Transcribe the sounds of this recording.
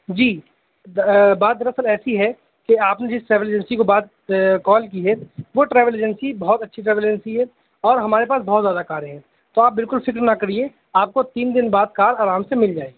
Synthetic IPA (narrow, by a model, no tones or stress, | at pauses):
d͡ʒiː | baːt̪̚d̪ɐɾɐsəlɛːsiɦɛ | keaːpned͡ʒɪsʈɾɛːʋəleːd͡ʒə̃nsikobaːd̪̚ | kɔːlkiɦɛʋoʈɾɛːʋəleːd͡ʒɛnsibɐɦɔt̪ɐtːʃʰiʈɾɛːʋəlːd͡ʒnsiɦɛ | ɔːɾɦɐmaːɾepaːsbɔɦɔt̪zjaːd̪akaːɾɦɛ̃ː | t̪oaːp̚bɪlkʊlfɪkɾnakɐɾie | aːp̚kot̪iːnd̪ɪnbaːd̪̚kaːɾaːɾaːmsemɪld͡ʒaːeɡ